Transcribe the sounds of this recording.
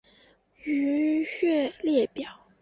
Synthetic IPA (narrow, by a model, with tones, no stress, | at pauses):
y˧˥ɕɥɛ˥˧ljɛ˥˩pjɑ˨˩˦ʊ